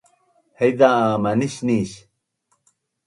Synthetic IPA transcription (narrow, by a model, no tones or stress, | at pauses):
hejd̪aaːmɐniɕniːɕ